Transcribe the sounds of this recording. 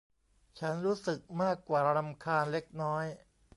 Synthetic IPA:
t͡ɕʰa˦˥nɾuː˦˥sɯ˨˩k̚maː˥˩kːwaː˨˩˧ɾa˧mkʰaː˧nle˦˥k̚nɔː˦˥j

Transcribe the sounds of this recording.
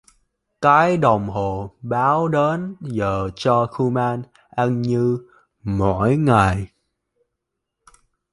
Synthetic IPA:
kaː˨˦jɗə˨˩wŋ͡mɦo˨˩ɓaː˨˦wɗe˨˦nzəː˨˩t͡ɕɔ˧xu˧maː˧n | ʔa˧nɲɨ˧ | mɔ̰˧˩˨jŋa˨˩j

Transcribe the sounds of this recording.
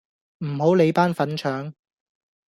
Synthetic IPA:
m̩˨˩ɦo˨˥wle˨˧jpaː˥nfɐ˨˥nt͡ʃʰœː˨˥ŋ

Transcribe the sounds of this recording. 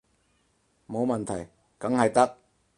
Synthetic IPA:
mo˨˧wmɐ˨nt̪ʰɐ˨˩j | kɐ˨˥ŋhɐ˨jt̪ɐ˥k̚

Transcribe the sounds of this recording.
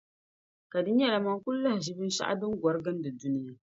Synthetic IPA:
ka˨dɨ˦ɲɛ˦la˨ma˨ŋkʊ˦lla˦hɪ˨ʒi˦bɨ˦n˦ʃa̰˦ʔa̰˦dɨ˦ŋɡʷɔ˨ɾɡɨ˦n˦dɨ˨du˦nɪ˦ja˦

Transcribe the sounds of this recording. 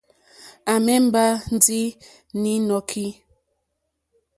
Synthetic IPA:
a˨mɛ˦m̩˦ba˦n̩˦di˦ | ni˨˦nɔ˨kʰi˦

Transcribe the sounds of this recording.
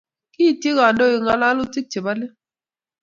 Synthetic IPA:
ki˦˨tje˦ɣa˨ndɔ˦ɪ˨ŋa˨la˦lʊ˦t͡ʃi˦k̚t͡ʃe˨ba˦lɪ˦

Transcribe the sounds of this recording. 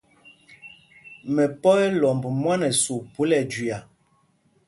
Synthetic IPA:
mɛ˨pɔ˦ɛ˦lɔ˨mbu˨mwa˦nɛ˨su˨pu˨˦lɛ˨d͡ʒi˨a˨

